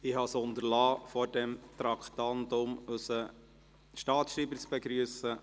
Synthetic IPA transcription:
ɪhɑsʊnd̪əɾlɑːfɔɾdɛmt̪ɾɑkʰt̪ɑntʊmʉsə | ʃtɑːtsʃɾiːbəɾt͡sb̥ɛɡɾyːsə

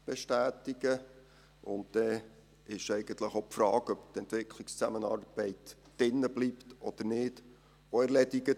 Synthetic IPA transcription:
b̥eʃtæːtiɡ̥ə | ʊnttɛ | ɪʃɛɪɡ̥ənt̪ləχopfɾɑːɡ̥œbt̪ɛnt̪ʋɪkʰlikst͡sæmənɑ̰ːrb̥ɛɪtd̥ɪnːəbliptʔɔd̥əɾnɪːd̥ | oɛɾlɛdiɡə

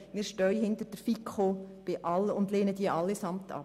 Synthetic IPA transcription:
mɪːɾʃtœʏəhɪndəɾd̥əfikʰχob̥ɪʔɑlʊndleːnəd̥̪iəʔɑlːɪsɑmtʰɑ̰

